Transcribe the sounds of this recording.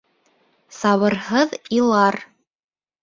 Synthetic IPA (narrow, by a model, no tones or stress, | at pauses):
sɑβɤ̆ɾhɤðilˠɑɾ